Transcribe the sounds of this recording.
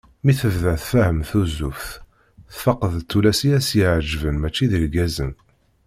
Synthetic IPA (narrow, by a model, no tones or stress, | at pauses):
miθəvðæθfæhəmθuzufθ | θfɑqːəðt̪ːulæsijæsjiʕd͡ʒvənmæt͡ʃːiðəlɡæzən